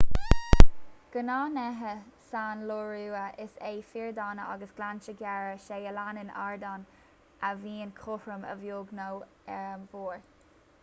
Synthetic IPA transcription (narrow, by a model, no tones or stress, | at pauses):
ɡ̥ənɑːnɛɦəsaːnloɹuːəʔɪsejfiːɹd̪ɑːnəɑ̰ɡəsɡ̥lant͡ʃəɡjɛɹəʃeəlanɪnaɹd̪ɔn | əviːnkʰʊhɹəmə̰vjoːɡnow | voːɹ